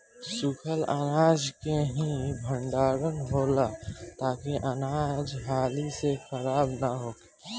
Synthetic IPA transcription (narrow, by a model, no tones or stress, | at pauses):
sʊkʰəlanaːd͡ʒkeɦĩbʱə̃ɳɖaːɾə̃ŋɡɦoːlat̪aːkiʔanaːd͡ʒɦaːlisexʰəɾaːbnaɦoː